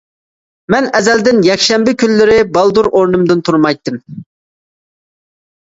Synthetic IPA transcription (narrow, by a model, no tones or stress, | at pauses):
mɛnɛzɛld̪ɪnjɛkʲʃɛmbɪkʲʰylːɪɾɪbɑlˠd̪uɾoɾnɨmd̪ɨnt̪ʰuɾmɑjt̪ːɨm